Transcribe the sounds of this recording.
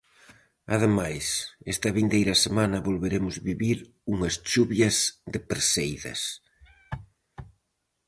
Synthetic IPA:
aðemajsest̪ɐβind̪ejɾɐsemanɐβolβeɾemʊzβiβiɾ | uŋɐst͡ʃuβjɐzðɪpeɾsejðɐ̰s

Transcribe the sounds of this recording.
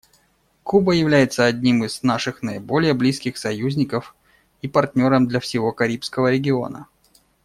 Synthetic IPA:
kubəjɪvlʲæjɪt̪səɐdʲnʲimɨznaʂɨxnəɪbo̞lʲɪjəblʲiskʲɪxsɐjuzʲnʲɪkəf | ipɐrtʲnʲo̞ɾəmd̪lʲɐfsʲɪvo̞kɐɾʲipskəvəɾʲɪɡʲɪo̞̰nə̰

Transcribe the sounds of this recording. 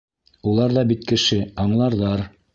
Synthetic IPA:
ulˠɑɾðɑbit̪kɘ̆ʃɘɑɴlˠɑɾðɑɾ

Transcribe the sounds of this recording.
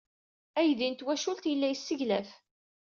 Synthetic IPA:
æjðint̪wæʃult̪jəlːæjəsːəʝlæf

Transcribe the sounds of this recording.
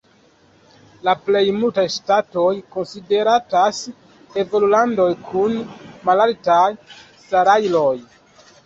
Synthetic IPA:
laple̞jmultajstato̞jko̞nside̞ɾatas | e̞vo̞lulando̞jkʰunmalaltajsaɾajlo̞j

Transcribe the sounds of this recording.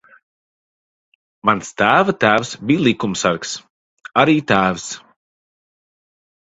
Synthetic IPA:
manst̪æːvat̪æːvsbiːlˠikumsaɾks | aɾiːt̪æːvs

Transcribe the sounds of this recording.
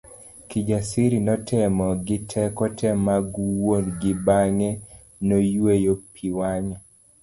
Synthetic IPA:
kid͡ʒasiɾinɔtʰɛmɔɡɪtʰɛkɔtʰɛmaɡuwonɡɪbaŋe | nojwejopʰiwaɲɔ

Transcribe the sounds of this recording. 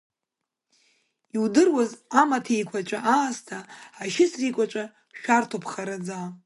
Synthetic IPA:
iwdɨrwazamatʰajkʷʰat͡ʃʷʼaʔaːstʰaaʃɪsrikʷʼat͡ʃʷʼa | ʃᶣartʰopʰχaɾad͡za

